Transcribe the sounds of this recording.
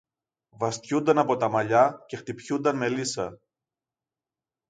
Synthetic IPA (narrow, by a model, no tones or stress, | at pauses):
vɐst̪çund̪ɐnɐpo̞t̪ɐmɐʎɐce̞xt̪ipçund̪ɐnme̞lisɐ